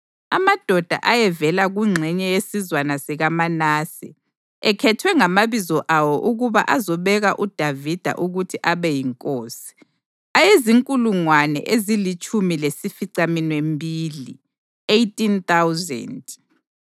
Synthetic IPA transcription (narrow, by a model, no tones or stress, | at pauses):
a̰mad̥ʱɔd̥ʱa̰ʔajɛvɛlaɣuŋ͡ǀʱɛɲɛjesizwanasiɣamanaːsḭ | ɛkʰɛtʰwɛŋamaβizɔʔawɔʔuɣuβaʔazɔβɛɣaʔud̥ʱavid̥ʱa̰ʔuɣutʰiʔaβɛjiŋkʼoːsi̥ | ajeziŋkʼuluŋwanɛ̰ʔezilit͡ʃʼʰumilesifiǀaminwembʱiːli | ejtʼint̪awzɛ̰nd